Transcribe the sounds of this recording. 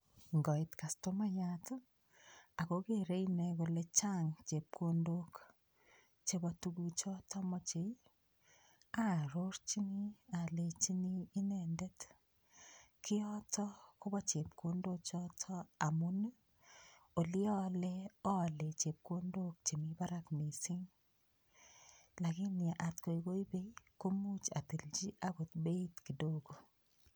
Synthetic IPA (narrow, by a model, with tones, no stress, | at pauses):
ŋɡɔ˨ɪtka˨stoma˦jat | a˨ko˦ke˨ɾe˦jnɛko˨le˦t͡ʃa˦ŋt͡ʃe˨p̚kʰondok | t͡ʃebɔtuɡu˨t͡ʃɔ˦tɔ˦mɔ˦t͡ʃe˨i | a˨ɾo˦ɾt͡ʃi˦ni˦a˨le˨t͡ʃiniː˦nɛ˨nde˦t | kʰɪ˦ɔtʰɔkʊ˦bɔ˦t͡ʃe˨pko˦ndo˦t͡ʃɔ˦tʰɔ˦a˨mu˦n˦ | o˨lɪ˦ɔ˦lɛ˦ɔ˦˨le˨t͡ʃe˨p̚kwo˦ndo˦k̚t͡ʃe˨mi˨˦ba˦ɾa˦kmi˨sɪ˦ŋ | la˨ɡɪ˦nɪ˨a˨ʔa˨tko˨i˨ɡo˦i˦be˦jko˦mu˦t͡ʃa˨t̪i˨ld͡ʒi˦ʔa˦bo˨t̪̚be˦tki˨do˦ɡo˨